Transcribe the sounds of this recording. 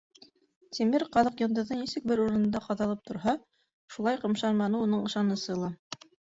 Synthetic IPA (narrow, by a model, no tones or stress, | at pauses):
t̪ʲʰimɘɾqɑðɤqjɤ̆nd̪ɤ̆ðɤnisɘk̚bɘɾuɾɤ̆nɤ̆nd̪ɑqɑðɑlˠɤp̚t̪ʰŏɾɦɑ | ʃulˠɑjqɤ̆mʃɑɾmɑnɤunɤɴɤ̆ʃɑnɤ̆sɤ̆lˠɑ